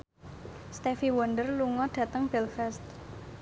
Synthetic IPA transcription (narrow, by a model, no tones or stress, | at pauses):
st̪efiwɔnd̪ərluŋɔɖ̪̥ä̤t̪əŋb̥ɛlfɛst̪̚